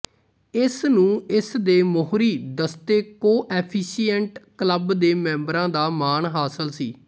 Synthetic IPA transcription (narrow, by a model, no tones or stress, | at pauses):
ɪsnũːɪsd̪eːmoɦɾiːd̪əst̪eːkoːʔɛːpʰiːsijəɳʈkləbd̪eːmɛ̃ːmbɾãːd̪aːmaːɳɦaːsəlsiː